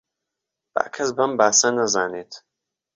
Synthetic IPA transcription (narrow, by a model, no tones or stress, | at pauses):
b̥a̰ːkʰɐsbɐmbaːsɐnɐzaːneːt̪ʰ